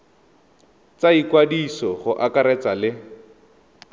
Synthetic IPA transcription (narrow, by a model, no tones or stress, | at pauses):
t͡saikwadisɔχʊʔakaɾɛt͡salɪ